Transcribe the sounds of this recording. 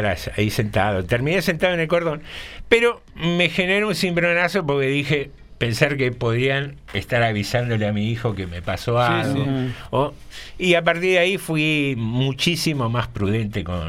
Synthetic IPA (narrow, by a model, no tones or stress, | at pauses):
ɾasaisent̪aðot̪eɾmĩnesent̪aðoenelko̞ɾðo̞npeɾo̞ | me̞xeneɾunsimbɾonasopo̞ɾkeðixe | pe̞nsaɾkepo̞ðɾian | est̪aɾaβisand̪o̞leamiixo̞ke̞mepasoalɣoo | iap̬aɾt̪iɾðaifwimut͡ʃisimo̞maspɾuðe̞nt̪eko̰n